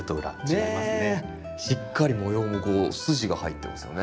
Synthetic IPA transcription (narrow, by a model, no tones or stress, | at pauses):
ɯt̪oɯ̟ɾa̰eane | ɕikʰːaɾʲimo̞jo̞ːmɯko̞ːsɨʑiɡahait̪ːe̞masɨjo̞ne